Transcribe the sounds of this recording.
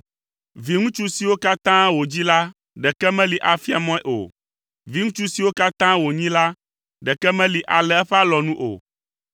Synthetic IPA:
vi˨ŋũ˦t͡ʃu˦si˨wo˦ka˦t̪ã˦wo˨d͡ʑi˦la˦ | ɖɛ˨kɛ˦mɛ̃˦li˨ʔa˨fi˦a˨mɔ̃˦ɛ˦ʔo̰˨ | vi˨ŋũ˦t͡ʃu˦si˨wo˦ka˦t̪ã˦wo˨ɲĩ˦la˦ | ɖɛ˨kɛ˦mɛ̃˦li˨ʔa˨lɛ˨ɛ˦ɸɛ˦a˦lɔ˨nũ˦ʔo̰˨

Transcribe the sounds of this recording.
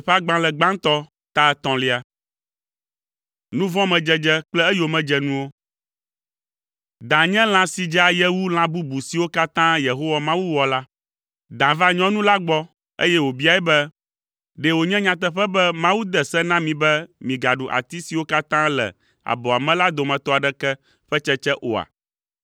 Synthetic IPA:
ɸɛ˦a˦ɡ͡bã˦lɛ˨ɡ͡bã˦nt̪ɔ˦ | t̪a˦t̪ɔ̃˨li˦a˨ | nũ˦vɔ̃˦mɛ̃˨d͡ʒɛ˦d͡ʒɛ˦k͡plɛ˦ɛ˦jo˨mɛ̃˨d͡ʒɛ˦nũ˦wo˦ | d̪ã˨ɲɛ̃˦l̃ã˨si˨d͡ʒa˨jɛ˦wu˦l̃ã˦bu˦bu˨si˨wo˦ka˦t̪ã˦je˨ɦo˦wa˨mã˦wu˦wɔ˨la˦ | d̪ã˨va˦ɲɔ̃˦nũ˦la˦ɡ͡bɔ˦ | ḛ˦jɛ˦wo˨bi˦a˨ɛ˦bɛ˦ | ɖɛ˨wo˨ɲɛ̃˦ɲã˨t̪̬ɛ˦ɸɛ˦bɛ˦mã˦wu˦d̪ɛ˨sɛ˦nã˦mĩ˨bɛ˦mĩ˨ɡa˨ɖu˨ʔa̰˨t̪i˦si˨wo˦ka˦t̪ã˦lɛ̰˨ | a̰˨bɔ˨a˨mɛ̃˦la˦d̪o˨mɛ̃˨t̪ɔ˦a˨ɖɛ˦kɛ˦ | ɸɛ˦t͡ʃɛ˦t͡ʃɛ˦ʔo˨a̰˨

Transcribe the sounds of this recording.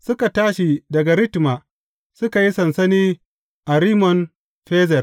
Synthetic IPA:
sʊ˦ka˨taː˦ʃi˨dɐ˨ɡa˨ɾɪ˦tma˨ | sʊ˦ka˨ji˦sɐ˨nsɐ˦niː˦ | ʔa˨ɾiː˦mɔ˨n | ɸeː˦zɛ˨r

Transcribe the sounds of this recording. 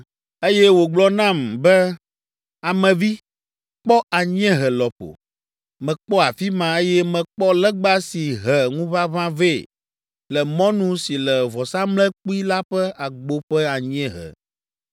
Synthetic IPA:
e˦jɛ˦wo˨ɡ͡blɔ˦nã˦˨mbɛ˦ | a˨mɛ̃˨vi˦ | k͡pɔ˦a˨ɲ˦ɛ̃˦ɦɛ˨lɔ˨ɸo̰˨ | mɛ̃˨k͡pɔ˦a˨fi˦mã˨e˦jɛ˦mɛ̃˨k͡pɔ˦lɛ˦ɡ͡ba˦si˨ɦɛ˨ŋũ˦βa˦βã˦ve˦˨ | lɛ˨mɔ̃˦nũ˦si˨lɛ˨vɔ˨sã˦mlɛ˦k͡pu˦i˦la˦ɸɛ˦a˨ɡ͡bo˦ɸɛ˦a˨ɲ˦ɛ̃˦ɦɛ̰˨

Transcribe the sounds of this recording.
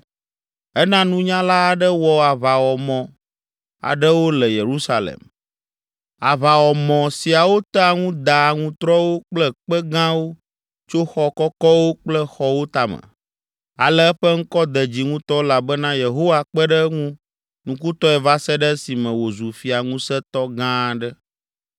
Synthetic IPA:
ɛ˦nã˦nũ˦ɲã˦la˦a˨ɖə˦wɔ˨a˨va˨wɔ˨mɔ̃˨ | a̰˨ɖə˦wo˦lɛ˨je˨ɾu˦sa˦lḛ˨m | a˨va˨wɔ˨mɔ̃˨si˨a˨wo˦t̪ɛ˦a˨ŋũ˦d̪a˨ŋũ˦t̪ɾɔ˦wo˦k͡plɛ˦k͡pɛ˦ɡã˦wo˦ | t͡ʃo˦xɔ˦kɔ˦kɔ˦wo˦k͡plɛ˦xɔ˦wo˦t̪a˨mə̰̃˨ | a̰˨lɛ˦ɛ˦ɸɛ˦ŋ̩˦kɔ˦d̪ɛ˨d͡ʑi˨ŋũ˦t̪ɔ˦la˨bɛ˦nã˦je˨ɦo˦wa˦k͡pɛ˦ɖə˦ŋũ˦ | nũ˨ku˦t̪ɔ˦ɛ˨va˦sɛ˦ɖɛ˦si˨mɛ̃˨wo˨zu˨fi˨a˨ŋũ˦sɛ˦t̪ɔ˦ɡã˦˨ɖə˦

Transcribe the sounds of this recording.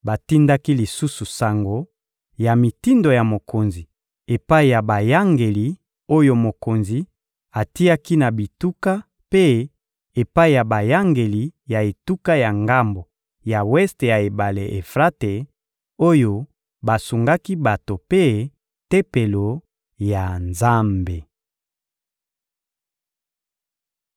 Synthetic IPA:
ba˨ti˦nda˦ki˦li˨su˦su˨sa˨ŋɡo˨ | ja˨mi˨ti˦ndo˨ja˨mo˨ko˨nzi˨ | e˨pa˦i˨ja˨ba˨ja˦ŋɡe˨li˨ | o˦jo˦mo˨ko˨nzi˨ | a˨ti˦ja˦ki˦na˨bi˨tu˦ka˦ | pe˦ | e˨pa˦i˨ja˨ba˨ja˦ŋɡe˨li˨ja˨e˨tu˦ka˦ja˨ŋɡa˦mbo˨ | ja˨wɛ˦stja˨e˨ba˨le˨ʔe˨fʁa˦te˨ | o˦jo˦ | ba˨su˨ŋɡa˦ki˦ba˨to˨pe˦ | te˦pe˨lo˨ | ja˨nza˦mbe˨

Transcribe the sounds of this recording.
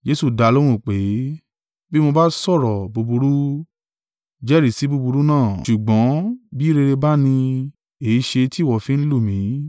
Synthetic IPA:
d͡ʒe˦su˧˨da˧˦˧lo˦ɾ̃ũ˦˨k͡pe˨˦ | bi˦mõ˧ba˦sɔ˦˨ɾɔ˨bu˧bu˧ɾu˦ | d͡ʒɛ˦ɾi˦˨si˨˦bu˧bu˧ɾu˦nãː˦˨ʃu˨ɡ͡bɔ̃˨˦bi˦ɾe˧ɾe˧ba˦nĩ˧ | e˨i˨˧ʃe˧ti˦˨wɔ˦˨fĩ˦n̩˦lu˦˨mĩ˨˦

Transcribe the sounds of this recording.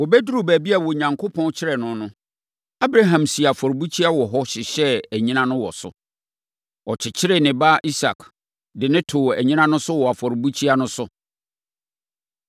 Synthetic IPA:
wɔ˨bɛ˦du˦ɾu˨bæː˨bi˦a˨wɔ˨ɲã˨ŋkʰo˦pʰɔ̃˦n˦t͡ɕʰɪ˦ɾɛ˨nʊ̃˦nʊ̃˦ | a˦bɾa˦ɦã˨msi˨a˨fɔ˨ɾbu˦t͡ɕʰi˦a˦wɔ˨ɦɔ˦ɕɪ˨ɕɛ˦æ˨ɲĩ˦nã˦nʊ̃˦wɔ̰˨sʊ̰˨ | ɔ˨t͡ɕʰɪ˨t͡ɕʰɪ˦ɾɛ˦nɪ̃˨ba˦ʔi˦sa̰˨k | dɪ˨nɪ̃˦tʰʊː˨æ˨ɲĩ˦nã˦nʊ̃˦sʊ˦wɔ˨a˨fɔ˨ɾbu˦t͡ɕʰi˦a˦nʊ̃˦sʊ˦

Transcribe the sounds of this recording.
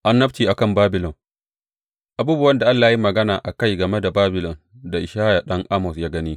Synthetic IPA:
ʔa˦nːɐ˦ɸtiː˨ʔa˨kɐ˦˨mbaː˦bɪ˨lɔ˨ŋ | ʔa˨buː˦bʊ˦wɐ˦nda˨ʔa˦lːaː˨ja˦i˦mɐ˨ɡɐ˦naː˨ʔa˨ka˦˨jɡɐ˨me˦da˨baː˦bɪ˨lɔ˨n | da˨ʔɪ˨ʃaː˦ja˨ɗɐ˦ŋʔa˦mɔ˨sjaː˦ɡɐ˦niː˦

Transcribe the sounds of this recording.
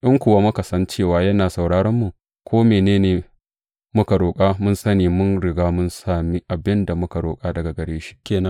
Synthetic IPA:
ʔɪ˦ŋkʷʊ˨wa˦mʊ˦ka˨sɐ˦nt͡ʃeː˦˨waː˨jɐ˦naː˨sa˨wɽaː˦ɽɐ˦mːu˨ | kʷoː˦meː˨neː˦neː˨ | mʊ˦ka˨ɽoː˨kʼaː˦mʊ˦nsɐ˦niː˨mʊ˦nɽɪ˨ɡaː˦mʊ˦nsaː˨mi˦ʔa˨bɪ˦nda˨mʊ˦ka˨ɽoː˨kʼaː˦dɐ˨ɡa˨ɡɐ˨ɽeː˦ʃi̥˦kʲeː˨nɐ˦

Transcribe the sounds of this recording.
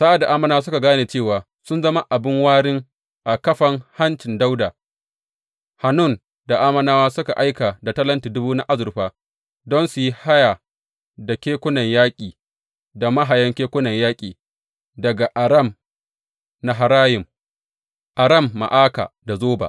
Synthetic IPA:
sa˦ʔa˨da˨ʔaː˦mɐ˦naː˦s̬ʊ˦ka˨ɡaː˦neː˨t͡ʃeː˦˨waː˨ | sʊ˦nzɐ˦ma˦ʔa˨bɪ˦ŋwaː˦ɽɪ˦ŋ | ʔa˨kɐ˦ɸɐ˦ŋha˦nt͡ʃɪ˨nda˦wdaː˨ | ha˨nʊ˦˨n | da˨ʔaː˦mɐ˦naː˦waː˦sʊ˦ka˨ʔa˦jka˨da˨tɐ˦lɐ˦ntiː˨dʊ˦buː˦na˦ʔa˦zʊ˨ɾɸaː˦ | dɔ˦nsu˨ji˦ha˦ja˨ | da˨kʲeː˦kʷʊ˦nɐ˨ɲjaː˦kʲʼiː˨ | da˨ma˦ɦa˨jɐ˦ŋkʲeː˦kʷʊ˦nɐ˨ɲjaː˦kʲʼiː˨ | dɐ˨ɡa˨ʔa˨ɾɐ˦˨m | na˨ɦa˨ɾaː˦jɪ˨m | ʔa˨ɾɐ˦˨mːa̰˨ʔaː˦ka̰ː˨da˨zoː˦ba̰˨

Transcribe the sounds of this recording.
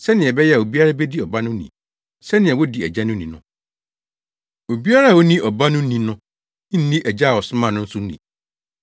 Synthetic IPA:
sɛ˦nɪ̃˨ɛ˨bɛ˦jɛ˦a˨o˨bi˦a˦ɾa˦bɛ˦di˦ɔ˨ba˦nʊ̃˦nḭ̃˨ | sɛ˦nɪ̃˨ɛ˨wɔ˦di˨æ̰˨d͡ʑa˦nʊ̃˦nĩ˨nʊ̃˦ | o˨bi˦a˦ɾa˦˨wɔ˦nĩ˦ʔɔ˨ba˦nʊ̃˦nĩ˨nʊ̃˦ | n̩˦nĩ˦ʔɛ˨d͡ʑa˦˨wɔ˨sʊ˦mã˨nʊ̃˦n̩˦sʊ˦n̩˦nḭ̃˨

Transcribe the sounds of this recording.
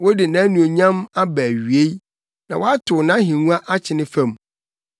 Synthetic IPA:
wɔ˦dɪ˨nã˦nũ˨o˨ɲã˦ma˦bæ˨ɥɥe˦ | nã˨wɔ˦a˦tʰʊ˨nã˦ɦĩ˨nũ˦a˦ʔa˦t͡ɕʰɪ˨˦nɪ̃˦fã˦˨m

